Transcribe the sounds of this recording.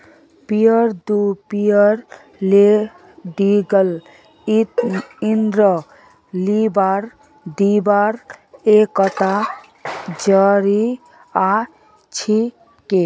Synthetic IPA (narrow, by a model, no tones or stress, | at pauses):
pijəɾd̪upiəɾ | le | ɖiɡəl | it̪ind̪ɾɔ | libaɾ | d̪ibaɾekɔt̪a | d͡ʒəɾi | a | t͡ʃʰi | ke